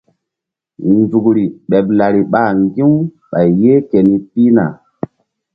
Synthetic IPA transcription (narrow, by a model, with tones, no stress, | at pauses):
nd͡zu˨kɾi˨ɓe˨p̚la˨ɾi˨ɓa˦˨ŋɡĩ˦ | ɓa˨jje˦ke˨ni˦pi˦na̰˨